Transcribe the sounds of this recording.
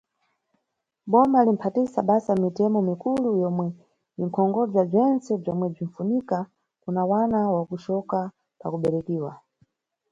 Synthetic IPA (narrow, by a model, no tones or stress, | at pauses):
ɓɔmalim̩pʰatisaɓasamitɛmɔmikulujɔmwɛ | iŋ̩kʰɔŋɡɔb͡ʐab͡ʐɛnt͡sɛb͡ʐɔmwɛb͡ʐin̩funika | kunawanawakuʃɔka | pa̰kuɓɛɾɛkiːwa̰